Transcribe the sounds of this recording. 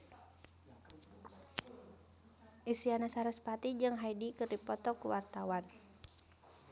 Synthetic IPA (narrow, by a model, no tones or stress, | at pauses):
ʔisianasaɾɛspat̪id͡ʒɨŋɦaidikɨrdipɔt̪ɔkuwart̪awan